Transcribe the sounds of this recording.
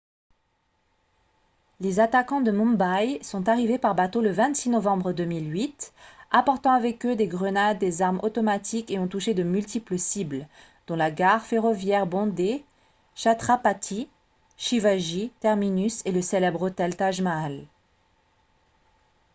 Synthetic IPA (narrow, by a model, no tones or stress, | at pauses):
lezat̪akɑ̃d̪əmɔ̃mbajsɔ̃t̪aʁivepaʁbat̪oləvɛ̃t̪sinɔvɑ̃bʁəd̪əmilɥit̪apɔʁt̪ɑ̃avɛkød̪eɡʁənad̪ːezaʁmot̪ɔmat̪ʰikeɔ̃t̪uʃed̪əmylt̪ipləsibl | d̪̥ɔ̃laɡaʁfeʁɔvjɛʁbɔ̃d̪e | ʃat̪χapat̪ʰi | ʃivaʒit̪ɛʁminyseləselɛbʁot̪ɛlt̪aʒmaːl